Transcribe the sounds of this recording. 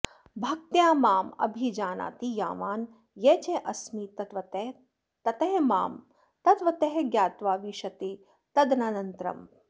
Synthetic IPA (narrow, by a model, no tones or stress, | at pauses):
bʱɐk̚t̪jaːmaːmɐ̰bʱid͡ʒaːna̰ːt̪ija̰ːʋaːn | jeːt͡ʃeʔɐsmit̪ɐʋɐ | t̪ɐt̪ɐɦema̰ːm | t̪ɐt̪ʋɐt̪ɐɦeɡjaːt̪ʋaːʋiʃɐt̪i | t̪ɐd̪nanɐnt̪ɾɐ̰m